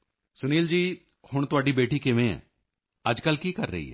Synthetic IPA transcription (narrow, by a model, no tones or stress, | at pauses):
sʊniːld͡ʒiː | hʊɳ̃t̪ʊaːɖibeːʈiːkeʋẽɛ̰̃ː | əd͡ʒkəlkiːkəɾːəḭːɦɛ̰ː